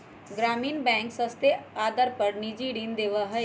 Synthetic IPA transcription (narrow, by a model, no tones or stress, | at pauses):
ɡɾaːmiːnbɛ̃ːŋksəst̪eaːd̪əɾpəɾnid͡ʒiɽind̪eːʋaɦəe